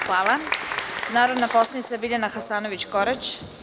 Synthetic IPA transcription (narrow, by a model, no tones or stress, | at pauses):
xʋaːlˠa | naːɾo̞d̪napo̞slˠanit̪sabiʎanaxasaːnoʋit͡ɕkoɾet͡ɕ